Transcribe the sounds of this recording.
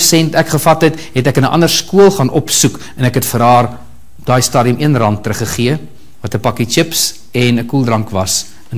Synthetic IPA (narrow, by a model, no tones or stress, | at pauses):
sɛntækχəfɐtɦətɦɛtækənəʔɐ̰ndərskuəlˠχɑːnʔɔpsuk | ɛnækɦətfəɾdɑːr | dɑːjstɑːdiəmiənrɐntːɾəχəχiə | vɐtəpɐkit͡ʃəps | ɛnəkulˠdrɐŋkvɐs | ən